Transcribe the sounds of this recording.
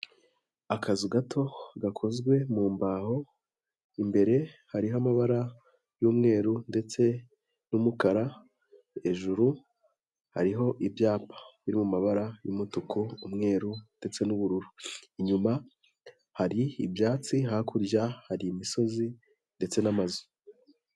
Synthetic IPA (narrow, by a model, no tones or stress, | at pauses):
akʰazuɡatʰo̞ɡakʰo̞zɡwe̞muːmbaho̞ | imbe̞ɾe̞haɾiɦamaβaɾa | juːmŋe̞ːɾunde̞t͡se̞ | numukaɾa | e̞ʒuɾu | ha̰ɾiɦo̞ʔibjaːpʰḁβiɾimumaβaɾajuːmutukuumŋe̞ːɾunde̞t͡se̞nuβuɾuɾuiɲuma | haɾiːbjaːt͡siɦakʰuɾjahaɾiːmiso̞zi | nde̞t͡se̞namazu̥